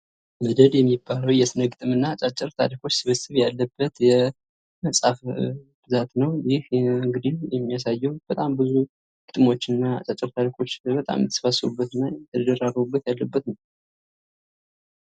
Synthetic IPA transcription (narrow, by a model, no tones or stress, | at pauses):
məd̪əd̪jɛmːibːaləwjɛsɨnəɡɨt̪ʼɨmɨnːat͡ʃʼat͡ʃʼɨɾt̪ʰa̰ɾikʰo̞t͡ʃːsɨβəsɨβjalːəbːət̪jɛ | məsʼaf | b̥ɨzat̪nəwjɪhɨŋɡɨd̪ijɛmːijasajːɛwb̥ət̪ʼambɨzu | ɡ̥ɨt̪ʼɨmo̞t͡ʃːɨnːaa̰t͡ʃʼat͡ʃʼːɨɾt̪ʰaɾikʰo̞t͡ʃːbət̪ʼa̰mjət̪ʰːə̥sfasɾubːət̪ɨnːaɛt̪ʰəd̪əd̪əɾaɾəubːət̪jalːəbːət̪nəw